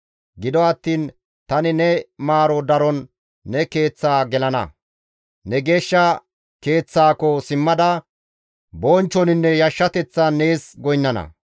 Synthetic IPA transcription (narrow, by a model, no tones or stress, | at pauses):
ɡɪd̪ɔɐt̪ːiːn | t̪ɐnɪnɛmaːɾɔd̪ɐɾɔnː | ɛke̞ːt͡sːaːɡɛlɐnɐ̰ | nɛɡe̞ːʃːɐ | ke̞ːt͡sːaːkɔsɪmːɐd̪ɐ | boːnt͡ʃːɔnɪnːɛjɐʃːɐt̪ɛt͡sːɐnːe̞ːsɡɔjnːɐnɐ̰